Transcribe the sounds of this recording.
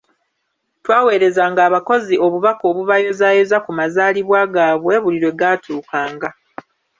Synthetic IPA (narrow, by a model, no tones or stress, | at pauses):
twaːwe̞ːɾe̞zaːŋɡaːβako̞ziʔo̞βuβako̞ːβuβajo̞zaːjozakumazaːliβwaːɡaːβwe̞ːβuliɾwe̞ɡatʰuːkaːŋɡa